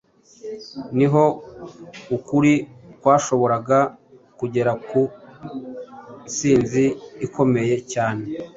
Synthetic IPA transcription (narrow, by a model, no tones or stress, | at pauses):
niɦo̞ | ukuɾikwaːʃo̞βo̞ɾaɡa | kuɟe̞ɾaku | siːnziːkʰo̞me̞je̞caːne̞